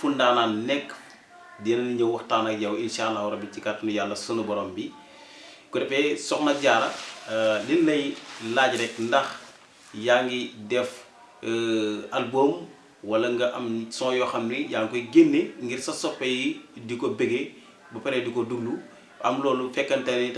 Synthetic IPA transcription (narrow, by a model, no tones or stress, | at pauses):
fundaːnaːnnɛkː | dinɐniɲɐwɐxtaːnɐkjɐwinʃaːlːawɾɐbit͡ʃikatnujalːɐsunubɔɾɔːmbi | kɔdɛpɛsɔknɐɟaːɾɐ | lilnɐjlaːɟɾɛkndɐx | jaːŋɡidɛf | ɐlboːm | wɐlɐŋɡɐʔɐmsɔ̃ːjɔːxɐmnijaŋkɔjɡenːeŋɡirsɐsɔpːɛjidikɔbɛɡe | bɐpɛɾɛdikɔduɡlu | ɐmlɔːlufɛkːɐntɐni